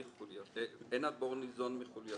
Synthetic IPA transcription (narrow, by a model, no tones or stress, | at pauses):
iχuljaɛnad̪̚boʁnizonmiχulja